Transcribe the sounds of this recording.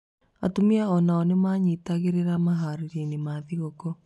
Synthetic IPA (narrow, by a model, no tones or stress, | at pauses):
a̰tumiaɔnaɔnemaːɲitaɣeɾeɾamaɦaɾiɾenemaːðiɣokɔ